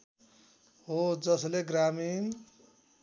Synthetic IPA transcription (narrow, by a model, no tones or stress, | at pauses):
ɦod͡zʌsleɡɾamin